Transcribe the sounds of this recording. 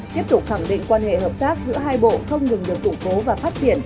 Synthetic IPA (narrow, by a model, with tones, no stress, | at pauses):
t̪i˦˥əp̚t̪ʊ˨˩k͡p̚xa˧˩ŋɗḭ˧˨ŋ̟kwaː˧nhḛ˧˨ɦəː˨˩p̚t̪aː˦˥k̚zɨ̰˧˥əɦaː˧jɓo̰˧˨xə˧wŋ͡mŋɨ˨˩ŋɗɨ˨˩ək̚kːʊ˧˩ŋ͡mko˨˦vaː˨˩faː˦˥t̚t͡ɕi˧˩ən